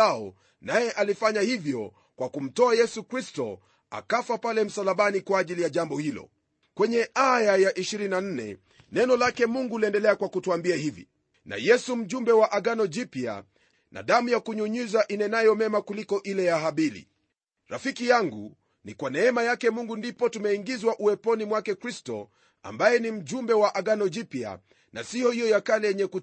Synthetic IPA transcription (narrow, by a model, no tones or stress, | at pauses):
aɔ | najɛʔalifaɲahivjɔ | kwʔakum̩tɔajɛsukɾistɔ | a̰kafapalɛm̩salaɓanikwaːʄilijaʄambɔhilɔ̰ | kwɛɲɛʔajajaʔiʃiɾininan̩nɛ̰ | nɛnɔlakɛmuŋɡuliɛndɛlɛakwakutuambiahivḭ | na̰jɛsum̩ʄumbɛwaʔaɠanɔʄipia̰ | na̰ɗamujakuɲuɲuzaʔinɛnajɔmɛmakulikɔʔilɛjaɦaɓilḭ | ɾa̰fikijaŋɡṵ | nikwanɛɛmajakɛmuŋɡundipɔtumɛiŋɡizwaʔuɛpɔnimwakɛkɾistɔ̰ | a̰mbajɛnim̩ʄumbɛwaʔaɠanɔʄipia̰ | na̰sijɔhijɔjakalɛjɛɲɛku